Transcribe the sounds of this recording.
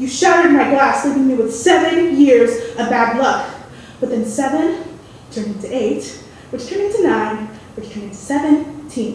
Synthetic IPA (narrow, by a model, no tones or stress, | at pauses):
jɨʃaɾɨ˞ɾnmaɪɡlæslivɪ̃ŋmiwɨð̥sɛvɨ̃njɪɹzɨbædˡlʌk | wɨθɪ̃nsɛvɨ̃n | tʰɜ̃˞nɪ̃ŋtʰɨeɪt̚ | wɨt͡ʃtʰɜ̃nɪ̃ŋtʰɨnãɪ̃nwɨt͡ʃtʰə̃nɪ̃ŋtʰɨ̥sɛvɨ̃ntʰĩn